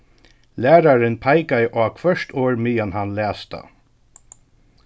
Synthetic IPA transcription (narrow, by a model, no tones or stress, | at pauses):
læːɾaɾɪnpʰajkajʔaːkʰvœʃt̪ʰoːɹmijanhanlæːst̪a̰